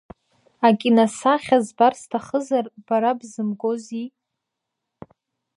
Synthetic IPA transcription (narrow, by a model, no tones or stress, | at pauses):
akʲʼinasaχʲazbarstʰaχəzarb̥aɾabzɨmɡozi